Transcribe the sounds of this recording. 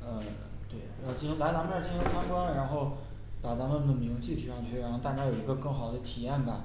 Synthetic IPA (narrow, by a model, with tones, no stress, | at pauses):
ə˧ | t̪we˥˩ɪa˧˥o˥˧˩t͡ɕla˧˥ɪna˧˥ŋma˥˩t͡ɕi˥i˥ŋt͡sʰa˥ŋkwɑ˥ŋɻa˧˥nxo˥˩ʊ | pa˨˩t͡sa˧˥mə˨˩nd̪ə˩mi˧˥ŋt͡ɕi˥˩t̪ʰi˨˩ʂɑ˥˧ŋt͡ɕʰy˥˩ɻa˧˥nxo˥˧t̪a˥˩t͡ɕja˥jo˨˩ʊi˧˥ɡə˧kɤ˥˩ŋxɑ˨˩ʊd̪ə˦t̪ʰi˨˩a˥˩nka˨˩n